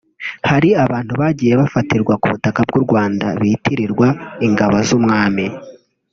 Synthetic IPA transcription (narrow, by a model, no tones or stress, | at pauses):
haɾiaβaːn̥huβaɟiːje̞βafatiɾɡwakuβutakab̚ɡuɾɡwaːndaβitiɾiɾɡwaiŋɡaβozumŋaːmi